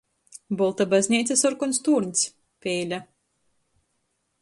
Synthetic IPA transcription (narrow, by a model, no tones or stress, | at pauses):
bɔlˠt̪abazʲnʲiːt̪sʲasɔɾkunst̪uːɾɲʲs | pʲeːlʲa